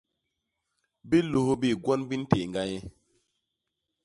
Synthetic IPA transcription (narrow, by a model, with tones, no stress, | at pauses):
bi˦lu˨ho˦bi˦˨ɡwɔ˦nbi˦n˦te˨ŋɡa˦ɲe˦